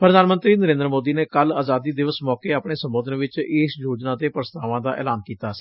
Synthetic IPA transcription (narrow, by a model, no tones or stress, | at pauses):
pəɾəd̪aːnmə̃nt̪ɾiːnəɾẽːnd̪ɾmoːd̪iːneːkəlaːzaːd̪iːd̪ɪʋəsmɔːkeːaːpɳeːsəmboːd̪ənʋɪt͡ʃɪsjoːd͡ʒnaːt̪eːpɾəst̪aːʋãːd̪aːʔɛ̰ːlaːnkiːt̪ḁː